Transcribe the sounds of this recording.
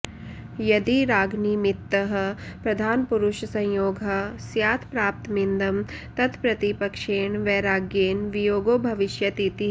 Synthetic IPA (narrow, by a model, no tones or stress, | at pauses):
jɐd̪iɾaːɡniːmɪt̪ːɐɦɐ̆pɾɐd̪ʱaːnpuɾʊʃsɐ̃joːɡʱɐsjaːt̪ʰpɾaːp̚t̪mind̪ɐmt̪ɐt̪ʰpɾɐt̪ipɐkʃeːɳʋɛːɾaːɡjeːnʋijoːɡoːbʱɐʋɪʃjɐt̪it̪i